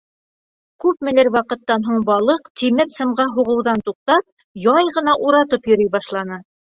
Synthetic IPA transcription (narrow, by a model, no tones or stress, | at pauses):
kʉp̚mɘ̆lɘɾwɑqɤ̆t̪ːɑnɦuɴbɑlˠɤqt̪imɘɾsɤ̆mʁɑɦuʁɤ̆wðɑnt̪uq̚t̪ɑp̚ | jɑjʁɤ̆nɑʔuɾɑt̪ɤpjɵ̆ɾijbɑʃlˠɑnɤ